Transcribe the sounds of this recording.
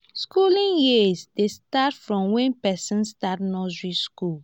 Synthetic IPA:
skulĩnjisdestatfɹɔ̃mwɛ̃npɛsĩnstat̚nɔsɹiskul

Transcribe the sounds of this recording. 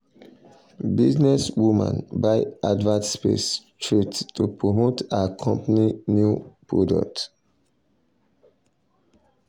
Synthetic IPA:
biznɛswumã̰nbaɪadvãntspḛstʰɹittupɹomotakʰɔ̃mpaninjupɹɔdɔ̰k̚t

